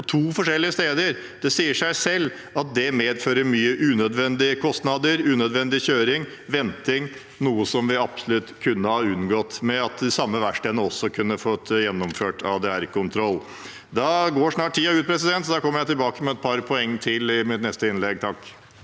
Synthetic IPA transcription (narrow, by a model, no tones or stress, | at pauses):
ɔt̪ʰuːfɔʂɛlːɪəst̪eːd̪əɾ | d̪̥ɛsiːəʂæɪsɛlː | ɑt̪̚d̪ɛmeːd̪føːɾəɾmyːəʔʉnœd̪ʋɛnd̪ɪəkʰɔst̪nɑd̪əɾʉːnœd̪ʋɛnd̪ɪçøːɾɪŋ | ʋɛnt̪ɪŋ | nuːəsɔmʋɪɑpsɔ̥lʉt̪kʰʉnːəhɑɾʉnɡɔt̪ːmɛɑt̪sɑmːəʋæʂʈeːd̪nəɔsːɔkʰʉnːəfɔt̪ːjɛnːɔmføːʈʰɑʋd̪ɛæɾkʊnt̪ʰɾɔl | d̪ɑɡoːʂnɑːʈ̚ʈ̪ʰːiːɑʉːt̪̚pʰɾɛs̬ɪd̪ɛnt̪sɔd̪ɑkʰɔmːəɾjæɪt̪ɪlbɑːkəmɛɛt̪̚pʰɑɾpʰɔɛŋːt̪ʰɪlɪmɪt̪nɛst̪əɪnlɛɡ̚t̪ʰɑk